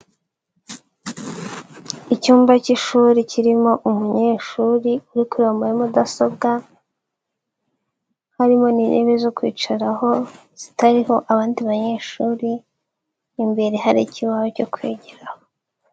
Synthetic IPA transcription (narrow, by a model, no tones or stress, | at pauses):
icuːmbaciʃuɾiciɾimo̞ʔumuɲeːʃuːɾiuɾikuɾoːmbojemudaso̞bɡa | haɾimo̞ninʔḛβezokwḭːt͡ʃaɾaho̞ | z̥itaɾiho̞ʔaβaːndiβaɲe̞ːʃuːɾi | mbe̞ɾe̞ɦaɾiciβahoco̞kwḛːɟeɾaho